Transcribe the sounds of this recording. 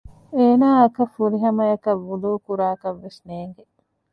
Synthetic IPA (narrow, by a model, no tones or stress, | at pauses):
eːnaːɐkɐfuɾiɦɐmɐjɐkɐʋːuluːkuɾaːkɐʋːesneːŋɡe